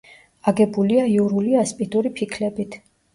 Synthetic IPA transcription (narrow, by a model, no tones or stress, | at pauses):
aɡɛbuliaiuɾuliaspʼid̪ʼuɾipʰikʰlɛbit̪ʰ